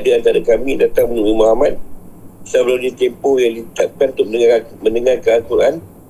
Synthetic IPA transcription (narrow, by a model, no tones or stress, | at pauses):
adəant̪aɾakamĩdat̪aŋmənũimaɦamat̪̚sabəlumnãt̪empɔhjaŋdit̪ap̚kanũnt̪ʊʔ̚məamə̃ndəŋarkəat̪uɾan